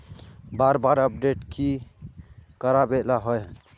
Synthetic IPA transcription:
baɾbaɾəp̚ɖeʈki | kəɾabelaɦɔjɦ

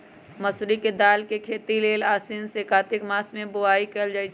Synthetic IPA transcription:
məsɾiked̪aːlkekʰeːt̪ileːlaːsinsekaːt̪ɪkmaːsmẽbʊaːikeld͡ʒaːit͡ʃʰ

